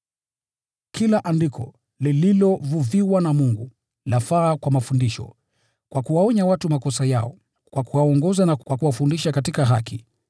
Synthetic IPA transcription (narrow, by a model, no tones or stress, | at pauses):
kʰilaʔandikʰɔ̰ | lililɔvuviwanamuŋɡu | lafaːkwamafundiʃɔ̰ | kwʔakuwaɔɲawatumakɔsajaɔ | kwakuwaɔŋɡɔzanakwakuwafundiʃakatikaɦaki